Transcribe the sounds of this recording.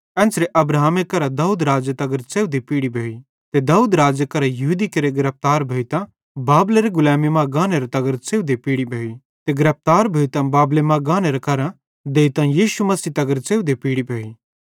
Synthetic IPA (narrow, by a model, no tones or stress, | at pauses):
ɛ̃ːnsɾeʔɐbɾaɦaːmekɐɾad̪aːuːd̪ɾaːd͡ʒɐt̪ɐɡəɾt͡seːud̪epiːɽibʱeːi | t̪ed̪aːuːd̪ɾaːd͡ʒəkɐɾajɐɦud̪ikɐɾeɡɪɾɐp̚t̪aːɾbʱeːit̪ã | baːbleɾeɡʊlɛːmimãɡãːneɾet̪ɐɡəɾt͡seːud̪epiːɽibʱeːi | t̪eɡɪɾɐp̚t̪aːɾbʱeːit̪ãbaːblemãɡãːneɾekɐɾã | d̪eːit̪ãjiːʃumɐsiːt̪ɐɡəɾt͡seːud̪epiːɽibʱeːi